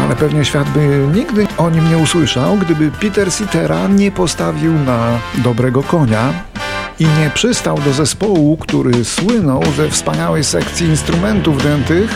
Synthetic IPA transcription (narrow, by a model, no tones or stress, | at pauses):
a̰lɛpɛvɲɛɕfʲjad̪̚bɘɲiɡd̪ɘɔɲimɲɛuswɘʂawɡd̪ɘbɘpʲit̪ɛɾsʲit̪ɛɾaɲɛpɔst̪avʲiwnad̪ɔbɾɛɡɔkɔɲa | iɲɛpʂɘst̪awd̪ɔzɛspɔwukt̪uɾɘswɘnɔwzɛfspaɲawɛjsɛkt̪sʲjiːnst̪ɾumɛnt̪uvd̪ɛnt̪ɘx